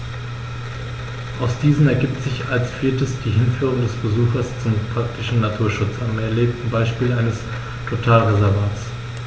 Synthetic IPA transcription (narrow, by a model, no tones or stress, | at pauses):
ʔaʊsd̥iːzn̩ɛɐɡiːp̚tz̥ɪçalsfiːɐtəsd̥iːɦɪnfyːʁ̞ʊŋdɛsb̥əzuːxɐst͡sʊmpʁ̥ak̚tɪʃn̩natʰuːɐʃʊt͡samɛɐleːk̚tn̩baɪʃpiːlʔaɪnəs | tʰotʰaːlʁezɛɐvaːts